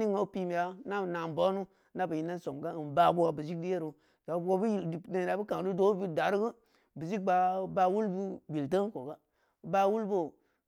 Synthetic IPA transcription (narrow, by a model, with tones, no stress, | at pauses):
i˦ŋo˦pi˦mi˨ja˨˦na˦˨na˨m˨bo˦nu˦ | na˦bə˨ji˨nːa˦nso˨mɡa˦ɨ˨nba˦bu˦ɡa˨bi˨si˦k̚di˦je˦ɾu˨ | da˨˦o˦bde˦˨˦a˨bi˦ka˨ŋ˨du˦do˦bi˦da˨˦ɾɡə˦ | bi˨d͡ʒi˦k̚ba˨ba˧wu˦lbu˦bi˨ltə˦ko˨ɡa˦˨ | ba˦wu˦lbo˦˨